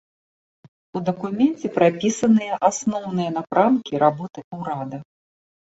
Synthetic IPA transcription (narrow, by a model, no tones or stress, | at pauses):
ud̪ɐkumʲɛnt͡sʲɛpɾapʲisɐnɨjɐʔasnɔwnɨjɐn̪apɾʔamkʲiɾabɔt̪ɨwɾad̪ɐ